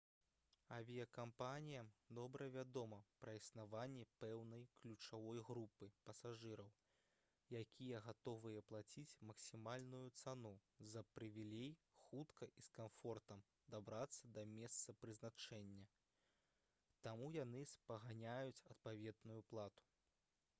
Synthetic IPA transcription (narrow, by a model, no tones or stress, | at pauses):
ɐvʲijɐkampanʲijɐd̪ɔbɾɐvʲad̪ɔmɐpɾɐisnavanʲːɛpɛwnɐjklʲut͡ʂavɔjɣɾupɨpɐsaʐɨɾɐw | jakʲʰijɐɣat̪ɔvɨjɐplˠat͡sʲit͡sʲmɐksʲimalʲnujut̪sanuzɐpɾɨvʲilʲejxut̪kɐʔiskamfɔrt̪ɐm | d̪abɾat̪sːɐd̪ɐmʲɛst̪sɐpɾɨznat͡ʂɛnʲːɐ | t̪amujanɨspɐɣanʲajut͡sʲɐt̪̚pavʲɛd̪nujuplˠat̪u̥